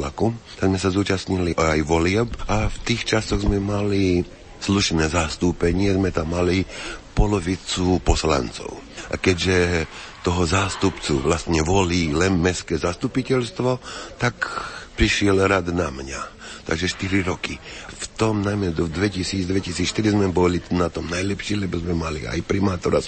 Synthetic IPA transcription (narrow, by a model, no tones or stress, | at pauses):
la̰kut̪aɡzmɛsazuːt͡ʃast̪ɲiliʔajʋɔlɪɛpaft̪iːxt͡ʃasɔɣzmɛmali | sluʃnɛːzast̪uːpɛɲɪɛzmɛt̪amːalipɔlɔʋit͡supɔsla̰nt͡sɔ̰ʊʔa̰kɛɟʒɛ | t̪ɔɦɔzaːst̪upt͡suʋlast̪ɲɛʋɔliːlɛnmɛskɛːzast̪upicɛlst̪ʋɔt̪akpɾiʃɪɛlɾad̪namɲat̪a̰ɡʒɛʃt̪iɾiɾɔkift̪ɔmnajmɛd̪d̪ʋɛcisiːd͡zd̪ʋɛcisiːt͡sʃt̪iɾizmɛbɔlinat̪ɔmnajlɛpʃiːlɛbɔzmɛmalḭa̰jpɾimaːt̪ɔɾas